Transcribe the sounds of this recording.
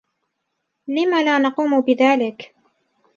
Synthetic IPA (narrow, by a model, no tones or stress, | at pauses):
lɪmaːlaːnɑquːmʊbɪðaːlɪk